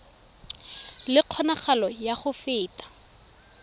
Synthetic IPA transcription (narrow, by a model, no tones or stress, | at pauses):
lɪq͡χʰɔnaχalɔjaχʊfɪːtʼḁ